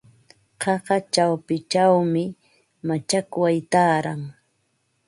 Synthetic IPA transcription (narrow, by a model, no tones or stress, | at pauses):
qɑɢɑt͡ʃawpɪt͡ʃawmɪ | mat͡ʃakʊwajt̪aːɾaŋ